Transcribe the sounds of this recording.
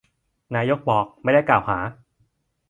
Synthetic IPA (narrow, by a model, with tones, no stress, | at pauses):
naː˧˥jo˦˥k̚bɔː˨˩k̚ma˥˩jda˥˩jklaː˨˩whaː˩˦